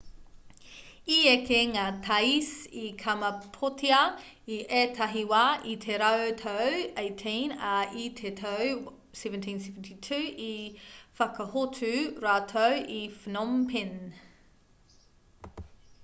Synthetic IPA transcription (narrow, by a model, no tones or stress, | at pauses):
iekeŋaːtʰɐjsikʰɐmɐpʰotʰiɐ | iʔetʰɐɦiwaːʔit̪ʰeɾɐwt̪ʰowejtʰenɐit̪ʰet̪ʰow | sɛvəntʰinsevntʰitʰʉːifɐkɐhotʰʉɾaːtʰowifnompʰen